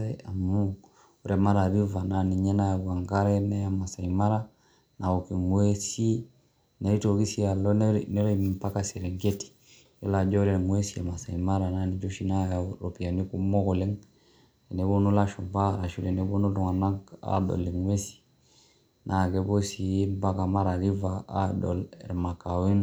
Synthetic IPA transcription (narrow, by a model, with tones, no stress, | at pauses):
ɛ˦a˨mu˦ | u˦ɾɛ˨ma˦ɾa˨βi˦va˨na˨ni˨ɲɛ˦na˦ja˨ɡa˨ŋɡa˦ɾɛ˦nɛ˦ja˨ma˨sa˨i˨ma˦ɾa˦ | na˨ɔ˨ki˨ŋwɛ˦si˦ | na˨i˦tɔ˨ɡi˦si˦a˨lɔ˦nnɛ˦ɾɛ˦mmpa˦ka˦sɛ˨ɾɛ˨ŋɡɛ˦ti̥˨ | jɔ˦la˨d͡ʒɔ˦ɾɛ˨mwɛ˦si˦a̰˨ma˨sa˨i˨ma˦ɾa˨na˦ni˨˦d͡ʒɔ˦ʃi˦na˦ja˨ɾɔ˨pi˨a˨ni˦ku˦mɔ˦ɣɔ˨lɛ˦ŋ | ɛ˨nɛ˨˦bɔ˦nu˦la˦ʃɔ˨mba˦ɾa˨ʃu˦˨ɾɛ˨nɛ˨˦bɔ˦nu˦tɔ˨ŋa˨na˦ŋka̰˦dɔ̰˨lɛ˨ŋwɛ˦si̥˨ | nʔa˨ɡɛ˨˦bɔ˦si˨˦mba˦ka˨ma˦ɾa˨ɾi˦vaː˨˦dɔ̰˨lɛ̰˨ɾma˨ka˨wɛ˦n